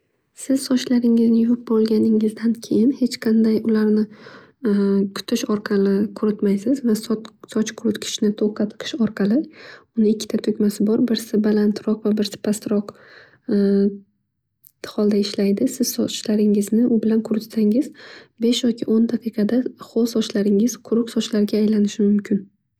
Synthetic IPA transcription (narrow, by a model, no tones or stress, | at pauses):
sɪz̥sɒt͡ʃlaɾɪŋɪznɪjʊɪp̚bɒlˠɡʲanɪŋɪzd̪ankʲʰe̞jɪnhe̞t͡ʃqʰɑnd̪ajʊlaɾnɪ | kʰʊ̥t̪ʰɪʃɒɾqʰɑlɪkʰʊɾɪt̪majsɪzvassɒt͡ʃqʰʊɾʊt̪kʲʰɪ̥ʃnɪt̪ʰoqʰɑt̪qʰɨ̥ʃɒɾqʰɑlɪʊnɪɪkʲʰːɪ̥t̪ʰat̪ʰʊkʲmasɪbɒɾbɪɾsɪbalant̪ɾɒqvabɪɾsɪ̥pʰast̪ɾɒq | χɒlˠd̪aɪʃlajd̪ɪsɪz̥sɒt͡ʃlaɾɪŋɪznɪʔʊbɪlankʰʊɾɪt̪saŋɪzbe̞ʃjɒkʲʰɪʔond̪ɑqʰɨjqʰɑd̪aχolsɒt͡ʃlaɾɪŋɪz̥qʰʊɾʊqsɒt͡ʃlaɾɡʲaːjlanɪʃɪmʊmkʲʰɪn